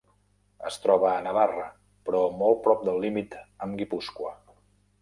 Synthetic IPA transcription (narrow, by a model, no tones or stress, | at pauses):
əst̪ɾɔβəːnəβarə | pɾɔmɔl̚ˠpɾɔp̚d̪əlˠːimit̪əmɡipuskwə